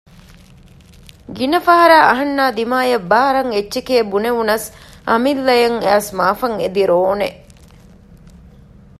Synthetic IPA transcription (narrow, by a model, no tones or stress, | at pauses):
ɡinɐfɐɦɐɾaːʔɐɦɐnːaːd̪imaːjɐbaːɾɐŋetːʃekeːbuneʋunɐsɐmilːɐjɐŋæːsmaːfɐŋed̪iɾoːne